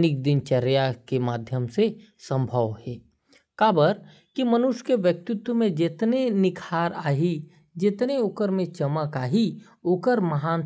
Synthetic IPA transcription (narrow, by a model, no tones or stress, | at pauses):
nɪk̚d̪ɪnt͡ʃɐɾjakemaːd̪ʱjəmse | sə̃mbʱəʋhɛː | kaːbəɾ | kimənʊʃkeʋjək̚t̪ʊt̪wəmẽd͡ʒɪt̪nenɪkʰaːɾaːɦi | d͡ʒɪt̪neoːkəɾmẽt͡ʃəməkaːɦi | oːkəɾmɐɦaːn